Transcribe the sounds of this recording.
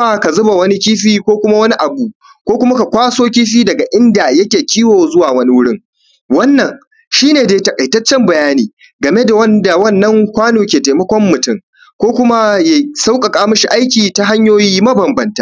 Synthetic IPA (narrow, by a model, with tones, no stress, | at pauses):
a˦ka˨zʊ˦ba˨wɐ˦ni˦kʲiː˦ɸiː˦kʷoː˦kʷʊ˦ma˦wɐ˦ni˦ʔa˨buː˨ | kʷoː˦kʷʊ˦ma˦ka˨kʷaː˦soː˦kʲiː˦ɸiː˦dɐ˨ɡa˨ʔɪ˦nda˨jɐ˦kʲeː˨kʲiː˦woː˨zʊ˦waː˨wɐ˦ni˦wʊ˦ɽɪ˦ŋ | wɐ˦nːɐ˨ŋ | ʃiː˦neː˨deː˨tɐ˨kʼɐ˨jtɐ˦t͡ʃːɛ˦mbɐ˨jaː˦niː˨ | ɡɐ˨me˦da˨wɐ˦nda˨wɐ˦˨nːɐ˦ŋkʷaː˦noː˨kʲeː˨teː˨mɐ˦kʷɔ˦mːʊ˨tɪ˦˨ŋ | kʷoː˦kʷʊ˦ma˦ja˨sa˦wkʼɐ˨kʼaː˦mɐ˦ʃi˨ʔa˦jkʲiː˨ta˦ɦa˦ɲjoː˦jiː˦mɐ˦bɐ˨mbɐ˨ntaː˦˨˦